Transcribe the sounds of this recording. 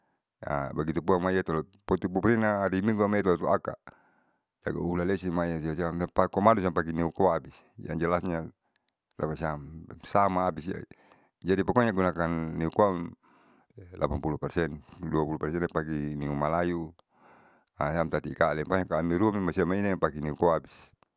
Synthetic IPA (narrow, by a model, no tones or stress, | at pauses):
a̰baɡit̪upuaŋmaiat̪ɔlɔpɔt̪ipupuɾinaːɾimiŋɡuamait̪ɔlɔt̪uaka̰ | d͡ʒa̰ɡa̰ulalɛsimaiasiasamapakɔmadus̬iampaɡiniukɔaːbis | d͡ʒa̰ŋd͡ʒalasɲa | t̪a̰pasiamsamaːbisia̰ | d͡ʒadipakɔɲaɡunakanːiukoam | lʔa̰panpulupɛrsɛnduapulupɛrsɛnpakiniumalaju | asamt̪at̪ikalɛmpaɲakaːmiɾuamimasiamainapakiniukoabis